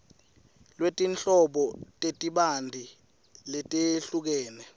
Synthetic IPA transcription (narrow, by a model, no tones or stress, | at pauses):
lwetʼint͡ɬʼɔɓɔtʼetʼiɓandʱi | letʼeɬuk̬ɛːnɛ